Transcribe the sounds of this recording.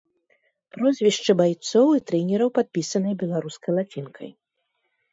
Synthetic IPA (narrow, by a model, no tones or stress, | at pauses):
pɾɔzʲvʲiʂt͡ʂɨbajt̪sɔwit̪ɾɛnʲɛɾɐwpat̪̚pʲisɐnɨjbʲɛlˠaɾuskɐjlˠat͡sʲinkʰɐ̰j